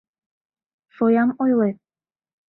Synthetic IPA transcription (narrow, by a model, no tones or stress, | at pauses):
fojamojwe